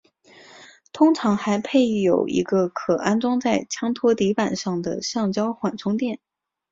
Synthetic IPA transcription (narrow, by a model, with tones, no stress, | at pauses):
t̪ʰʊ˥ŋʈ͡ʂʰɑ˧˥ŋxa˧˥ɪpʰe˥˩ɪjo˨˩ʊḭ˧˥ɡə˧kʰɤ˨˩a˥nt͡swɑ˥ŋt͡sa˥˩ɪt͡ɕʰjɑ˥ŋt̪ʰwɔ˥t̪i˧˥pa˨˩nʂɑ˥˩ŋd̪ə̰˩ɕɑ˥˩ŋt͡ɕjɑ˥ʊxwa˨˩nʈ͡ʂʰʊ˥ŋt̪jɛ˥˩n